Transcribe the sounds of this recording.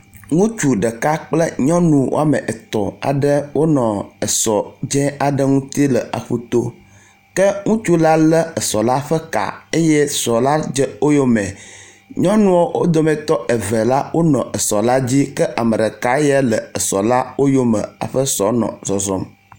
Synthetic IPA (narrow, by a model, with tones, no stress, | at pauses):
ŋũ˦t͡ʃu˨ɖə˨ka˦k͡plə˦ɲɔ̃˦nũ˦wo˦a˨mɛ̃˨ʔə˨t̪ɔ˨a̰˨ɖə˦wʔo˦nɔ̃˨ə˨sɔ˨d͡ʒɛ̃˦a˨ɖə˦ŋũ˦t̪i˦lə˨ʔa̰˨ɸu˦t̪o˦ | kə˦ŋũ˦t͡ʃu˦la˦lə˦ə˨sɔ˨la˦ɸə˦ka̰˨e˦jɛ˦sɔ˨la˦d͡ʒɛ˦o˦jo˦mɛ̃˨ | ɲɔ̃˦nũ˦o˦wo˦d̪o˦mɛ̃˨t̪ɔ˦ʔɛ˨vɛ˨la˦wo˦nɔ̰̃˨ʔə˨sɔ˨la˦d͡ʑi˦kə˦ʔa˨mə˨ɖə˨ka˦jɛ˦lə˨ə˨sɔ˨la˦wo˦jo˦mə̰̃˨a̰˨ɸə˦sɔ˨nɔ̰̃˨zɔ˨zɔ˦m